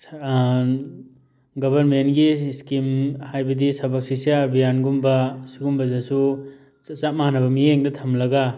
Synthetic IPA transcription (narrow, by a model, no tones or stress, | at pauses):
ɡɐbʱɐɾmentɡiskimhajbɐdisɐbɐk̚sisijaɾbijanɡumbɐsiɡumbɐzasu | t͡ʃamanɐbɐmieŋdɐtʰɐmlɐɡa